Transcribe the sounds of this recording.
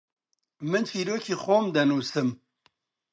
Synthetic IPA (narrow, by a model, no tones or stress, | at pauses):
mɨnt͡ʃʰiːɾoːkʰiːxoːmd̪ɐnuːsɨm